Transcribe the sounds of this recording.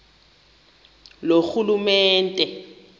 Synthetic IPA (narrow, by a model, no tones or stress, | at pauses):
loxulumɛːntʼɛ